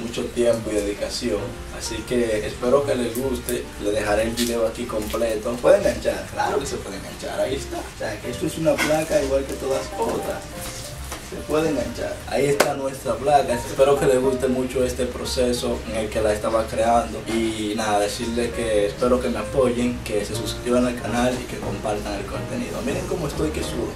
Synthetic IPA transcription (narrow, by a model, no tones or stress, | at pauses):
mut͡ʃo̞t̪je̞mpo̞iðe̞ðikasjo̞ŋ | asike̞ːspe̞ɾo̞ke̞le̞zɣust̪e̞ | le̞ðe̞xaɾe̞ːlβiðe̞o̞akiko̞mple̞t̪opweðeŋɡant͡ʃaɾkla̰ɾo̞ke̞sepwe̞ðeŋɡa̰nt͡ʃa̰ɾaie̞st̪aoseakeest̪oesunaplakaiɣwalke̞t̪oðaskot̪ɾa̰ | sepwe̞ðeeŋɡant͡ʃa̰ɾa̰ie̞st̪anwe̞st̪ɾaplakasespe̞ɾo̞ke̞leɣust̪e̞mut͡ʃo̞e̞st̪e̞pɾo̞se̞so̞eŋe̞lke̞laest̪aβakɾe̞and̪o̞inaðaðe̞siɾleskeːspe̞ɾo̞ke̞me̞apo̞ʝeŋke̞se̞suskɾiβanalkanalḭke̞ko̞mpaɾt̪aŋelko̞nt̪e̞nḭðo̰amiɾeŋko̞moe̞st̪o̞jkesuðo